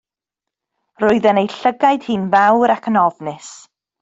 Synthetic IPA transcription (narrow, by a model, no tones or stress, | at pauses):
rʊɨðɛnejɬəɡajd̥hɨnvawɾakʰənɔvnɪs